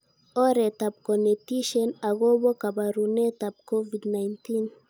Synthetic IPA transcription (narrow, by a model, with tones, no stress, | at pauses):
ɔ˦ɾɛ˨ta˨b̚kɔ˨ne˨ti˦ʃɔ˦na˨ɣɔ˦βɔ˦ka˨ba˨ɾu˨nɛ˦ta˨b̚kɔ˦vi˨dna˨jnti˦n